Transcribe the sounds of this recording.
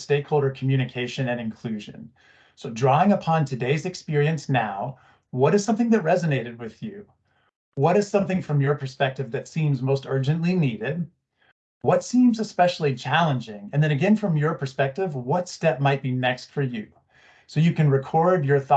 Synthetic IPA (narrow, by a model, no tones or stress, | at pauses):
steɪkhoʊlˠdə˞kʰm̩jʉɾ̃ɨkʰeɪʃɨ̃nɨ̃nɨ̃nkʰl̥ʉʒɨ̰̃n | soʊdɹɔɪ̃ŋəpʰɑ̃ntʰɨdeɪzɨkspɪɹiɨ̃nsnaʊ | wʌɾɨz̥sʌ̃mθɪ̃ŋðɨt̚ɹɛzɨneɪɾɨd̚wɪð̥jʉ | wʌɾɨz̥sʌ̃mθɪ̃ŋfɹʌ̃mjə˞pʰə˞spɛk̚tɨvðɨtsĩmzmoʊstɜ˞d͡ʒɨ̃nʔliniɾɪd̚ | wʌtsĩmzɨspɛʃl̩ˠit͡ʃʰælˠə̃nd͡ʒɪ̃ŋɨ̃nðɨ̃nɨɡɛ̃nfɹʌ̃mjə˞pʰə˞spɛk̚tɨvwʌtstɛp̚maɪt̚b̥inɛkstfə˞jʉ | soʊjɨkɨ̃nɹɨkʰɔɹdjə˞θɔ